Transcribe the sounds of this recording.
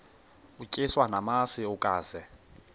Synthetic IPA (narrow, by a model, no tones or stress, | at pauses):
ucʼɪswanamasiukʼaːz̥ɛ